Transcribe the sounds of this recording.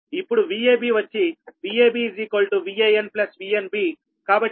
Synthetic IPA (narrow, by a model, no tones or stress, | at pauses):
ipːuɽuʋiːeːbiːʋɐt͡ʃːiʋiːeːbiːziːkoːlʈuʋiːeːenplɐsʋiːenbiː | kaːbɐʈ